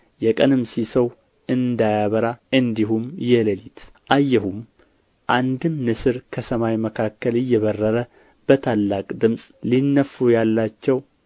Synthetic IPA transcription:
jɛkʼənɨmsisəw | ɨnd̪ajaβəɾaʔɨnd̪ihumjɛləlit̪ʰ | ʔajːɛhum | ʔand̪ɨmnɨsɨɾkʰəsəmajməkʰakːəlɨjːɛβərːəɾə | b̥ət̪ʰalːakʼd̪ɨmsʼlinːəfujalːat͡ʃːɛw

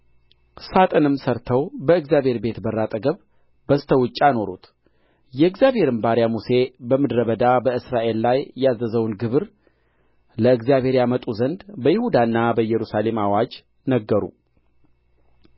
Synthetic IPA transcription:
sat̪ʼɨnɨmsəɾt̪ʰəwbəɨɡzjabʱhe̞ɾbe̞t̪bərːat̪ʼəɡəβ | bəst̪ʰəwɨt͡ʃʼːano̞ɾṵt̪ | jɛɨɡzjabʱhe̞ɾɨmbaɾjamuse̞bəmɨd̪ɾəβəd̪abəɨsɾaʔe̞lːajːazːəzəwnɡɨβɾ | ləɨɡzjaβhe̞ɾjamət̪ʼuzənd̪bəjɪhud̪anːabəjɛɾusale̞mawad͡ʒ | nəɡːəɾṵ

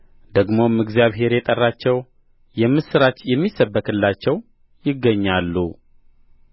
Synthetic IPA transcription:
d̪əɡmo̞mɨɡzijaβɦe̞ɾjɛt̪ʼərːat͡ʃːɛw | jɛmːɨsɨɾat͡ʃ̪jɛmːisːəbːəkʰɨlːat͡ʃːɛw | jɪɡːəɲːalːṵ

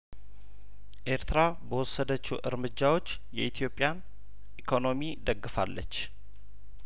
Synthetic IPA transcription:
ʔe̞ɾt̪ʰɨɾabəwɔsːəd̪ət͡ʃːuʔɨ̰ɾmɨd͡ʒːawo̞t͡ʃː | jɛʔit̪ʰjo̞pʼːjan | ʔikʰo̞no̞mid̪əɡːɨfa̰lːə̰t͡ʃː

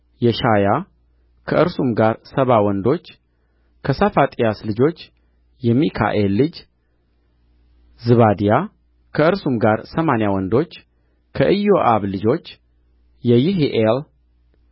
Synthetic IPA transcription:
jɛʃaja | kʰəʔɨɾsumɡaɾsəβawɔnd̪o̞t͡ʃː | kʰəsafat̪ʼijaslɨd͡ʒo̞t͡ʃː | jɛmikʰa̰ʔelːɨd͡ʒ | zɨβad̪ija | kʰəɨɾsumɡaɾsəmanjawɔnd̪o̞t͡ʃː | kʰəʔɨjːo̞ʔaβlɨd͡ʒo̞t͡ʃː | jɛjɪɦiʔel

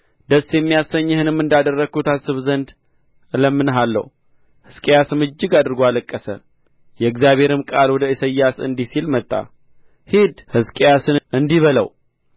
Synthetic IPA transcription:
d̪̥əsjɛmːijasːəɲːhɨnɨmːɨnd̪ad̪ərːəɡkʰut̪asɨβzənd̪ | ləmːɨnɦalːə̰hu | hɨskʼejasɨmɨd͡ʒːɪɡad̪ɨɾɡoaləkʼːəsə̰ | jɛɨɡzjaβe̞ɾɨmkʼalwɔd̪əɨsəjːasɨ̰nd̪isilmət̪ʼːa̰ | hid̪hɨskʼejasɨnʔɨnd̪iβələ̰w

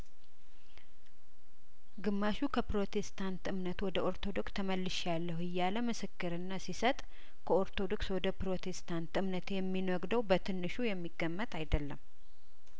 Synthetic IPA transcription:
ɡɨmːaʃukʰəpɾo̞t̪ʰest̪ʰant̪ɨmnət̪wɔd̪əʔo̞ɾt̪ʰo̞d̪o̞kst̪ʰəməlːɨʃjalːəhɨjːaləmɨsɨkːɨɾɨnːasisət̪ʼ | kʰəo̞ɾt̪ʰo̞d̪o̞kswɔd̪əpɾo̞t̪ʰe̞st̪ʰant̪ɨmnət̪jɛmːinwɔɡd̪əwbət̪ʰɨnːɨʃujɛmːiɡːəmːət̪ajd̪əlːəm

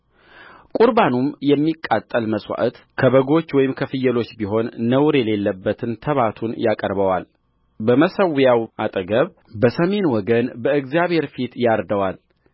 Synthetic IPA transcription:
kʼuɾbanumjɛmːikʼːat̪ʼːəlməsʼwa̰ʔət̪ | kʰəβəɡo̞t͡ʃːwɔjɪmkʰəfɨjːɛlo̞t͡ʃːbiɦo̞nːəwɾjɛle̞lːəbːət̪ʰɨnt̪ʰəβat̪ʰunjakʼəɾβəwal | bəməsəwjawʔat̪ʼəɡəβ | bəsəme̞nwɔɡənbəɨɡzjaβhe̞ɾfit̪jaɾd̪əwal

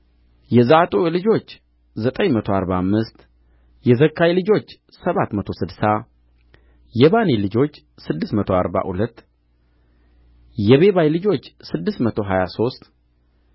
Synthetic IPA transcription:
jɛzaat̪ʼolɨd͡ʒo̞t͡ʃː | zət̪ʼəɲmət̪ʰo̞aɾbamːɨst̪ | jɛzəkʰːajlɨd͡ʒo̞t͡ʃː | səβat̪ːmət̪ʰo̞sɨd̪sa | jɛβanilɨd͡ʒo̞t͡ʃː | sɨd̪ːɨsmət̪ʰo̞a̰ɾba̰hṵlət̪ː | jɛβe̞βajlɨd͡ʒo̞t͡ʃːsɨd̪ːɨsmət̪ʰoɦajaso̞st̪ʼ

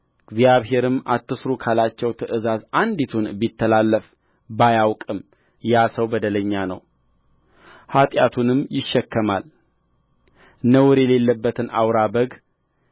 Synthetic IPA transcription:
ɡ̥zjaβɦe̞ɾɨmat̪ːɨsɾukʰalat͡ʃːɛwt̪ʰəʔɨzazand̪it̪ʰunbit̪ːəlalːəf | bajawkʼɨm | jasəwbəd̪ələɲːanə̰w | hat̪ʼjat̪ʰunɨmːjɪʃːɛkːəmal | nəwʊɾjɛle̞lːəbːət̪ʰɨnʔa̰wɾabəɡ

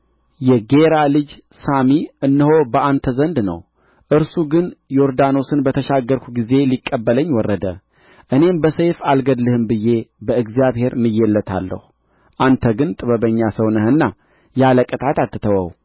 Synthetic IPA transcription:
jɛɡe̞ɾalɨd͡ʒ | samiɨnːɨho̞bəant̪ʰəzənd̪nə̰w | ʔɨɾsuɡɨnjoɾd̪ano̞sɨnbət̪ʰəʃaɡːəɾkʷʰu̥ɡize̞likʼːəbːələɲːwɔrːəd̪ə̰ | ʔɨne̞mbəsejfalɡəd̪lɨhɨmbɨjːe̞bəɨɡzijaβhe̞ɾmɨjːɛlːət̪ʰa̰lːə̰hu | ʔant̪ʰəɡɨnt̪ʼɨβəβəɲːasəwnəhɨnːa | jaləkʼət̪ʰʼat̪at̪ːɨt̪ʰəwə̰w

